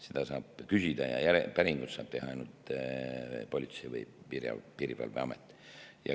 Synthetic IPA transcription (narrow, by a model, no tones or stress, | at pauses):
sed̪ɑsɑːb̥kysid̪̥ɑjɑ̰jæɾepæɾiŋɡut̪sɑːb̥t̪e̞hɑɑjnult̪ | po̞lʲit̪sevɤ̰jpiɾjɑ̰piɾivɑ̰lveɑmet̪ːˑjɑ̰